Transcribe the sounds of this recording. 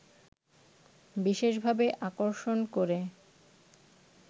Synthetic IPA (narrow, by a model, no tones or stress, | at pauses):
biʃeʃbʱabeʔakoɾʃonkoɾe